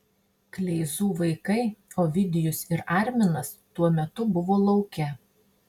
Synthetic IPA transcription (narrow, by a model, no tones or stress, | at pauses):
klʲɛɪzuːʋɐɪkɐɪoːʋʲɪd̪ʲɪjʊsɪɾɑˑɾʲmʲɪnɐst̪uɔmʲɛt̪ʊbʊʋoːlˠɒʊkʲɛ